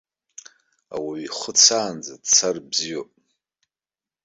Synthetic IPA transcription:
a̰waɥiχʷət͡sʰaːnd͡zadt͡sʰarbziwopʼ

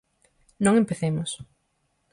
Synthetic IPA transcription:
nõŋempeθemʊs

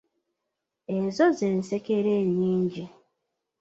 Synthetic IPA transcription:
ezɔzen̩sekeɾeɲiɲ̩d͡ʒi

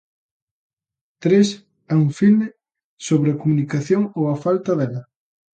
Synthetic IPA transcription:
t̪ɾes | ɛuŋfilme | soβɾɪɐkomunikaθjoŋowɐfalt̪ɐðɛlɐ

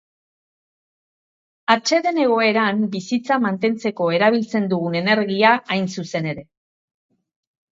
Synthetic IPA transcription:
at͡ʃe̞ðe̞ne̞ɣ̞o̞e̞ɾambisit͡samant̪e̞nt͡se̞ko̞e̞ɾaβ̞ilt͡se̞nd̪uɣune̞ne̞ɾɣiaajnsuse̞ne̞ɾe̞

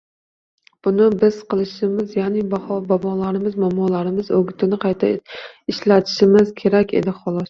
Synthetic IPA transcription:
b̥ʊnɪbɪz̥qʰɨlˠɪʃɪmɪzjanibahɒbɒbɒlaɾɪmɪzmamɒlaɾɪmɪzoɡʲɪt̪ʰɪnɪqʰɑjt̪ʰaɪʃlat̪ʰɪ̥ʃɪmɪz̥kʲʰe̞ɾakʲḛd̪ɪχɒlˠɒs

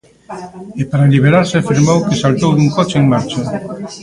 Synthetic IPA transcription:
ɪpaɾaliβ̞eɾaɾseafiɾmowkesalt̪owðuŋkot͡ʃeeŋmaɾt͡ʃa

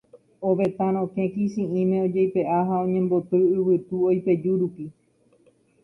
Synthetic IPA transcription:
oʋe̞t̪ãɾ̃õkẽ̞kisĩĩmẽod͡ʒejpe̞ʔaɦaõɲẽ̞mbo̞t̪ɨɨwɨt̪uojpe̞d͡ʒuɾupi

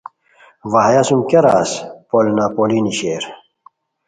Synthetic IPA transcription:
ʋaɦjasumkeɾaːspolnapoliniɕeɾ

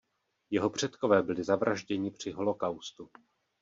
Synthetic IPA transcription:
jɛɦopr̝̥ɛt̪ko̞vɛːbɪlɪzavɾʔaʒɟɛɲɪpr̝̥ɪɦo̞lo̞kawst̪u

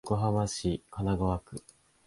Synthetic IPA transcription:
ɡo̞ɦamaɕikanaɡoβakɯ̟

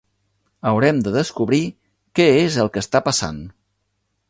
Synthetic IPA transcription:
əwɾɛmd̪əðəskuβɾi | kɛezəlˠkəst̪apəsa̰n

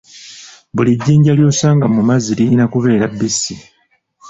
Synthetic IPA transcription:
buliɟːiːɲɟaljo̞ːsaːŋɡamumaziɾiinakuβe̞ːɾabːisi

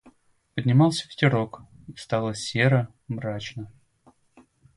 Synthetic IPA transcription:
pədʲnʲɪmɑlˠsʲəfʲɪ̥tʲɪɾo̞kist̪ɑlˠəsʲe̞ɾə | mɾat͡ɕnə

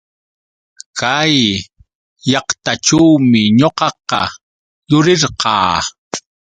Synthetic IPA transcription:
kʰajː | ɑqt̪aʈ͡ʂawmɪɲoqɑqɑ̰ | jʊɾɪɾqɑ̰ː

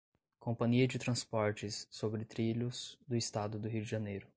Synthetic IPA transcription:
kʰõpɐ̃ɲiɐd͡ʒɪt̪ɾɐ̃spɔɾt͡ʃɪsːobɾɪt̪ɾiʎʊsd̪ʊɪst̪ad̪ʊd̪ʊɦiwd͡ʒɪʒɐnejɾʊ

